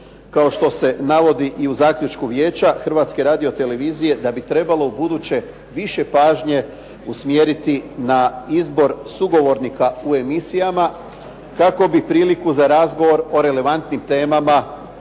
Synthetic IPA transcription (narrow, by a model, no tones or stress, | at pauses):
kao̞ʃt̪o̞se̞naʋo̞d̪iʔiuzaːkʎʲut͡ʃkuʋje̞ːt͡ɕaxr̩ʋat̪ske̞ɾaːd̪io̞t̪e̞le̞ʋizije̞d̪abit̪ɾe̞balo̞ubud̪uːt͡ɕe̞ | ʋiʃe̞paːʒɲe̞ | usmjeːɾit̪inaizbo̞ɾsuɡo̞ʋo̞ɾnikaue̞misijama | kako̞bipɾiːlikuzaɾazɡo̞ʋo̞ɾo̞ɾe̞le̞ʋant̪nimt̪e̞ːmama